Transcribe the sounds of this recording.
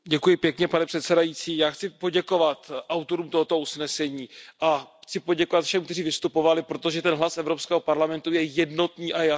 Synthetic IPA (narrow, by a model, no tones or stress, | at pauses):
ɟɛkujɪpjɛkɲɛpanɛpr̥ɛt̪sɛdajit͡siːjaːxt͡sɪpo̞ɟɛko̞vat̪ʔawt̪o̞ɾuːmt̪o̞ɦo̞t̪ousnɛsɛɲiːʔaxt͡sɪpo̞ɟɛko̞vat̪fʃɛmk̚t̪ɛriːvɪst̪upo̞valɪpɾo̞t̪o̞ʒɛt̪ɛnɦlasɛvɾo̞pskɛːɦo̞paɾlamɛnt̪ujɛjɛdno̞t̪niːʔaja